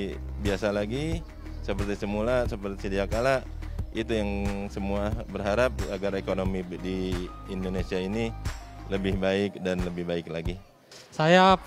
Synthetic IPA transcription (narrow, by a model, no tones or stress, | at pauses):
biasalaɡi | səpərt̪isəmulasəpərt̪i̥sədiakalaʔit̪ujaŋsəmuabərɦaɾap̚aɡaɾekonomidiːndonesiainiləbɪhbaɪk̚danləbɪhbaɪklaɡi | saja